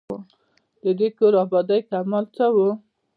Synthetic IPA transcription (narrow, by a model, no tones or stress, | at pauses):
d̪əd̪ekoɾɑbɑd̪ajkamalt͡səwu